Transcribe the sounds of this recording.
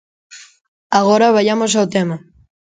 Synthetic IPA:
aɣoɾaβajamos̬awt̪ema

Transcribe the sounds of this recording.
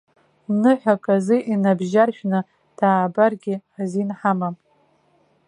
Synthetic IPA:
nɨħʷᶣakʼazɨʔinabʒarʃᶣnɨ | d̥aːbarɡʲɪħazinħamam

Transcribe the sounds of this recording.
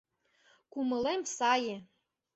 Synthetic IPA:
kumɤ̆lemsɑjĕ

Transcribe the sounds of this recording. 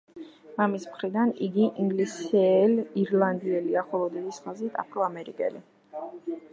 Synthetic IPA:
mamismχɾid̪aniɡiʔiŋɡlisɛliɾland̪iɛliaχɔlˠɔd̪ɛd̪isχazit̪ʰa̰pʰɾɔamɛɾikʼɛ̰li

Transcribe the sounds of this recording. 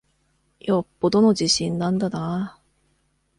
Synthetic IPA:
jopːo̞d̪o̞no̞ʑiɕĩnːãnd̪ana

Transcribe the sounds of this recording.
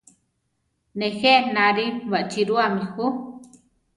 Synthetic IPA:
nexenaɾiwaʔt͡ʃiɾuamixu

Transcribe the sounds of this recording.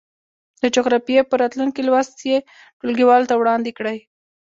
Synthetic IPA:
d̪əd͡ʒoɣɾɑfijepəɾɑt̪luŋkilwast̪je | ʈolɡiwɑlt̪awɽɑnd̪ɪkɽəj

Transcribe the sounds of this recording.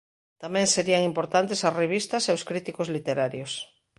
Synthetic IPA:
t̪amɛ̃ŋseɾiaŋimpoɾt̪ant̪esɐsreβ̞ist̪aseoskɾit̪ikozlit̪eɾaɾjos

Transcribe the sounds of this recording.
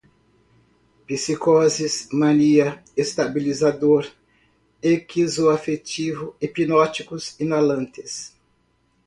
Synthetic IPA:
pisikɔzismãniɐest̪abilizad̪oɾ | ekizoafet͡ʃivʊipinɔt͡ʃikʊzinalɐ̃nt̪ɪ̥s

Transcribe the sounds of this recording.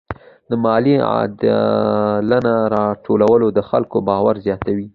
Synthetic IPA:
d̪əmɑlia̰d̪ | lənaɾɑʈʰolawəlod̪əxa̰lkobɑwaɾzjɑt̪awi

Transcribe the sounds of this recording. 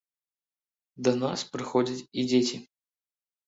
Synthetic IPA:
d̪ɐnaspɾɨxodʲɐt̪id͡zʲetʲɪ

